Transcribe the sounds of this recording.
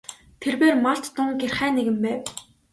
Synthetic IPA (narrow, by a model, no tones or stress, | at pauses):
t̪ʰerweːrmaɬt͡ɕ̪ːʊŋɡerχæːneɣɘ̆mpæːw